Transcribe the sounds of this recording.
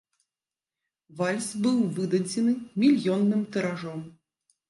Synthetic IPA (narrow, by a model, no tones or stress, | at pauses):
valʲsbɨwvɨd̪ɐd͡zʲɛnɨmʲilʲjɔnːɨmt̪ɛɾaʐɔm